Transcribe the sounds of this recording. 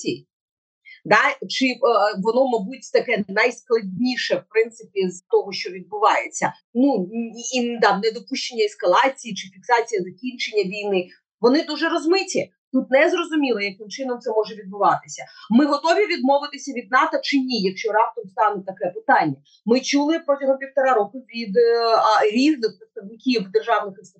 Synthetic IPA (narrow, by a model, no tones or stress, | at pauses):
iji | d̪ɑt͡ʃɪʋɔnɔmɐbutʲt̪ɐkɛnɐjsklˠɐdʲnʲiʃɛwpɾɪnt̪sɪpʲizt̪ɔɦɔʃt͡ʃɔʋʲid̪̚bʊʋɑjet͡sʲːɐ | nuind̪ɑnɛd̪ɔpuʃt͡ʃenʲːɐɛskɐlˠɑt͡sʲijit͡ʃɪfʲiksɑt͡sʲijɐzɐkʲinʲt͡ʃenʲːɐʋʲijnɪ | ʋɔnɪd̪uʒɛɾɔzmɪtʲi | t̪ut̪nɛzrɔzʊmʲilˠɔjɐkɪmt͡ʃɪnɔmt̪sɛmɔʒɛʋʲid̪̚bʊʋɑt̪ɪsʲɐmɪɦɔt̪ɔʋʲiʋʲid̪̚mɔʋɪt̪ɪsʲɐʋʲid̪̚nɑt̪ɔt͡ʃɪnʲijɐkʃt͡ʃɔɾɑp̚t̪ɔmst̪ɑnɛt̪ːɐkɛpɪt̪ɑnʲːɐ | mɪt͡ʃulˠɪpɾɔtʲɐɦɔmpʲiwt̪ɐɾɑɾɔkʊʋʲid̪ | ɾʲiʋnɪxpɾɪt̪st̪ɐʋnɪkʲiwd̪erʒɑʋnɪxɪst̪